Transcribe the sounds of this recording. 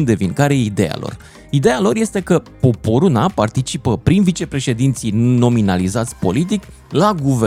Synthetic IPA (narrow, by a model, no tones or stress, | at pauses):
nd̪e̞viŋkaɾeid̪e̞ja̰lo̞̰r | id̪e̞jalo̞rje̞st̪e̞kə | po̞po̞ɾunapart̪it͡ʃipəpɾinvit͡ʃe̞pɾe̞ʃe̞d̪int̪sino̞minalizat̪sʲpo̞̰lit̪̬ik | laɡuve